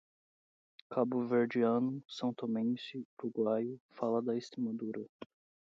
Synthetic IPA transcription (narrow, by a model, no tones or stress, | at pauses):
kabʊveɾd͡ʒiɐ̃nʊsɐ̃w̃t̪omẽt͡ʃɪuɾuɡwajʊfalɐd̪ɐest̪ɾemad̪uɾɐ